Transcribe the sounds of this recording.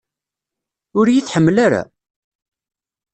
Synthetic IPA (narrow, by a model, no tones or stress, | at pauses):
ʊɾjiθħəmːlaɾa̰